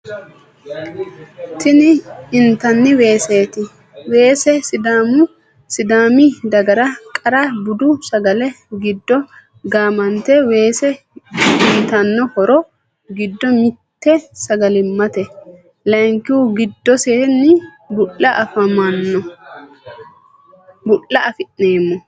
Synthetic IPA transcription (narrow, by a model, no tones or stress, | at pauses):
t̪ɪnɪɪnt̪ɐnːɪwe̞ːse̞ːt̪ɪ | we̞ːsɛsɪd̪aːmʊ | sɪd̪aːmɪd̪ɐɡɐɾɐkʼɐɾɐbʊd̪ʊsɐɡɐlɛ | ɡɪd̪ːɔ | ɡaːmɐnt̪ɛwe̞ːsɛ | ɪnt̪ɐnːɔhɔɾɔ | ɡɪd̪ːɔmɪt̪ːɛsɐɡɐlɪmːɐt̪ɛ | lɐŋkːɪʊɡɪd̪ːɔseːnːɪ | bʊʔːɐʔɐfɐmɐnːɔ | bʊlːɐɐfɪʔneːmːɔ